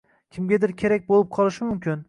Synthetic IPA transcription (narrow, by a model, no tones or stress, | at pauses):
kʲʰɪmɡʲad̪ɪɾkʲʰe̞ɾak̚ʲbolˠɪp̚qʰɒlˠɪʃɪmʊmkʲɪn